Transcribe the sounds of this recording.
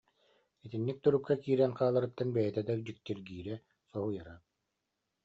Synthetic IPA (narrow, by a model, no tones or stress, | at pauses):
it̪inːik̚t̪uɾup̚kakiːɾɛnqaːlˠaɾɯt̪ːanbɛjɛt̪ɛd̪ad͡ʑik̚t̪iɾɡiːɾɛ | sɔɦujaɾa